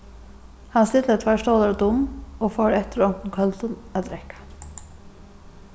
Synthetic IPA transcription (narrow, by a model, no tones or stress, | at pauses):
hɑnslɪt̪ːət̪ʰʋæʃtoːləɾd̪ʊmoːfoːɾɛt̪əɾɔnt̪n̩kʰœlt̪ənæd̪ɾɛkḁ